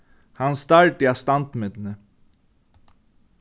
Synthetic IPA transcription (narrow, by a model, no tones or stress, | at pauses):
hɑnst̪ɑɹʈiɑst̪ɑnt̪mɪd̪n̩ə